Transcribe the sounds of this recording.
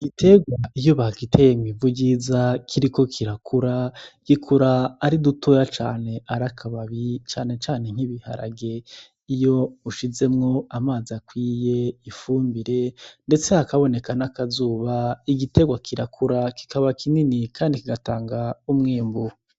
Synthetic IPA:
iɡite̞ɡwaijoβakitʰe̞ːjemivuɟizakʰiɾiko̞kʰiɾakʰuɾaɡ̥ikʰuɾaːɾidutojat͡ʃaːne̞ʔaɾakʰaβaβit͡ʃaːne̞t͡ʃaːne̞ŋ̥iβiha̰ɾa̰ɡe̞ | ijo̞uʃize̞mŋo̞amaːziakwiːje̞ifuːmbiɾe̞nde̞t͡seakaβo̞ne̞kanakazuːβaiɡite̞ɡwakʰiɾakʰuɾaki̥kaβakʰininikʰaːndikiɡataːŋɡaumŋeːmbu

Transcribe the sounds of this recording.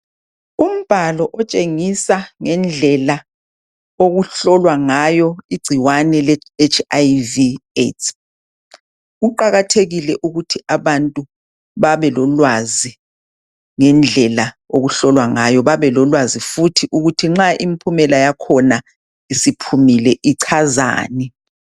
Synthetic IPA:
um̩b̥ʱalɔʔɔt͡ʃʼeŋisaŋɛnd͡ɮʱɛla | oɣuɬɔlwaŋajɔiɡ͡ǀʱiwanɛlet͡ʃʰajvietʰ | ɣuǃaɣatʰeɣilɛʔuɣutʰiʔaβantʼu | βaβɛlɔlwazi | ŋɛnd͡ɮʱɛla | oɣuɬɔlwaŋajɔβaβɛlɔlwazifutʰiʔuɣutʰiŋ͡ǁaʔimipʰumɛlajakʰɔna | isipʰumilɛʔiǀʰaza̰ːnɛ

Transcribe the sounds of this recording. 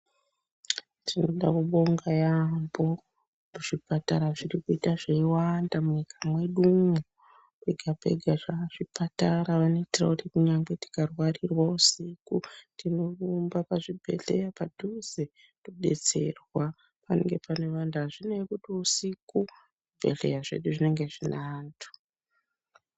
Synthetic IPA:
tʰino̞ɗakuɓo̞ŋɡajambo̞ | muʐipataɾaʐirikuitaʐeiwandamuɲikʰamwe̞ɗumu | eɡʱape̞̰ɡʱaʐaʐ̥ipataɾaʋano̞itirautikuɲaŋɡe̞ti̥karwarirwausikutʰinorumbapaʐibʱe̞̰ɮe̞japadʱuze | toɗe̞̰t͡se̞̰rwa | pane̞̰ŋɡe̞pane̞ʋanduɦaʐinekutiusiku | bʱe̞̰ɮḛjaʐe̞̰ɗuʐine̞ŋɡe̞ʐinaːntu̥

